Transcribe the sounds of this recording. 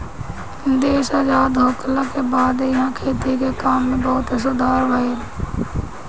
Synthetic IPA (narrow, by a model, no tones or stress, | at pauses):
d̪eːʃaːd͡ʒaːd̪ɦoːklakebaːd̪jɐɦãkʰeːt̪ikekaːmːẽbɔːʊt̪ɪs̬ʊd̪ʱaːɾʋɐe